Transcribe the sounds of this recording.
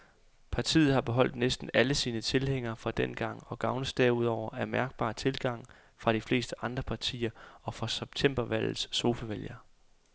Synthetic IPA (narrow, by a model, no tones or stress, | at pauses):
pʰɑ̈t͡sʰḭːð̩ˠhɑ̈b̥e̝ɦɒ̽l̰d̥nesd̥n̩æləsiːnət͡sʰe̝lheŋ̰ɐːfʁɑ̈d̥en̰ɡ̥ɑ̈ŋ̰ɒ̽ɡ̥ɑ̈ʊnəsd̥ɛuð̞̰ˠɒʊ̰ɐʔæɐmæɐɡ̥̚b̥ɑ̰̈ːt͡sʰe̝lɡ̥ɑ̈ŋ̰ | fʁɑ̈ɾ̥ifle̝̰ːsd̥əʔɑ̈nd̥ʁɐpʰɑ̈t͡sʰḭːɐɒ̽fʁɑ̈seb̥̚t͡sʰem̰b̥ɐʋæl̰ð̩ˠsːo̝ːfæʋeljɐ